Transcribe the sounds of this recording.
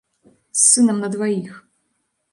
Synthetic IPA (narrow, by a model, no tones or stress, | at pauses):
sːɨnɛmnɐd̪vajix